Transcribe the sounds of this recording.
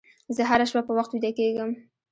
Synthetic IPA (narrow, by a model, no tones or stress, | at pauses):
zəɦaɾaʃwapəwaxt̪wid̪akeɡəm